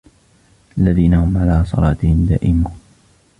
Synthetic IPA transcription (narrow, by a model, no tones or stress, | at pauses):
ʔalːaðiːnahʊmʕalaːsˤɑ̰lɑːt̪ɪhɪmd̪a̰ːʔɪmuːn